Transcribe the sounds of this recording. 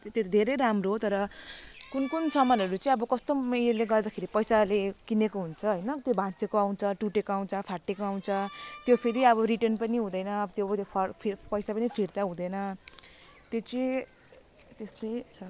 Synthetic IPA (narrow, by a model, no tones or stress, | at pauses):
t̪ed̪ʱeɾejɾamroɦt̪ʌɾʌkunkunsʌmʌnʌɾut͡sʌãĩʌbʌkʌst̪omeleɡʌrd̪akʰeɾipʌjsalekinekoɦunt͡sʰʌɦʌjnʌt̪jobʱãt͡sekoaw̃nt͡sʰʌʈuʈekoaw̃nt͡sʰʌpʰaʈːekoaw̃nt͡sʰʌt̪jopʰeɾiʌβʌriʈʌnpʌniɦũd̪ʌjnʌt̪joʌt̪jopʰʌpʰipʌjsapʌnipʰird̪aɦũd̪ʌjnʌ | t̪jot͡si | t̪est̪ʌjt͡sʰʌ